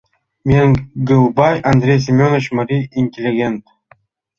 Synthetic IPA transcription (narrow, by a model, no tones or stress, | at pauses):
mʲeŋɡɯlˠbɑjɐnd̪ɾʲejs̬imʲonot͡ʃmaɾʲiinʲtʲelʲːiɡʲe̞nt̪